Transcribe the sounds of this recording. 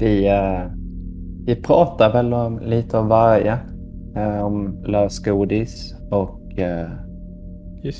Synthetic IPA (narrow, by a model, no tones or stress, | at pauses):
ʋɪ | ʋɪpʰɾɑːt̪əɾʋɛlɔliːt̪əɔmʋɑɾjə | ɔmlɑːskuːd̪ɪsɔk